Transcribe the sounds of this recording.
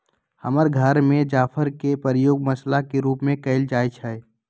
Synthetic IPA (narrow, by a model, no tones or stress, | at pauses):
həməɾɡʱəɾmẽd͡ʒaːfʰəɾkepəɾjoːɡmɐslakeɾuːpmẽkɐɪld͡ʒaːjt͡ʃʰɛe